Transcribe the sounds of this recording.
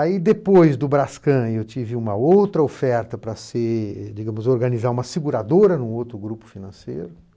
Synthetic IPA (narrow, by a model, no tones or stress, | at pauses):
aid̪epojzd̪ʊbɾaskɐ̃ewt͡ʃivɪũmɐowt̪ɾɐofɛɾt̪ɐpɾɐsɪd͡ʒiɡɐ̃mʊzoɾɡɐnizaũmɐsiɡuɾad̪oɾɐnũowt̪ɾʊɡɾupʊ̥finɐ̃sḛjɾʊ